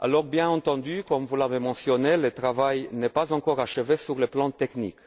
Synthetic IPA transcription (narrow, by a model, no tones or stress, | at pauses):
a̰lɔʁbjɛ̃nɑ̃t̪ɑ̃d̪ykɔmvulavemɑ̃sjɔnelət̪ʁavajnɛpazɑ̃kɔʁaʃəvesyʁləplɑ̃t̪ɛknḭk